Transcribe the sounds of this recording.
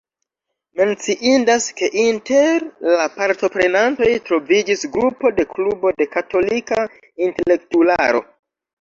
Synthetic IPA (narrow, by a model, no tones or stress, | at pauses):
me̞nt͡siʔindaske̞ʔinte̞ɾlapaɾto̞pɾe̞nanto̞jtɾo̞vid͡ʒisɡɾupo̞de̞klubo̞de̞kato̞lika | inte̞le̞k̚tulaɾo̞̰